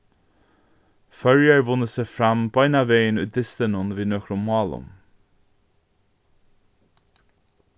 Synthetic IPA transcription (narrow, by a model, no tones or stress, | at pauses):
fœɹjəɹvʊnəsɛfɾamb̥ɑjnavejənʉ̰ːd̪ɪst̪ənʊnviːnɔkɾʊmɑːlʊ̰m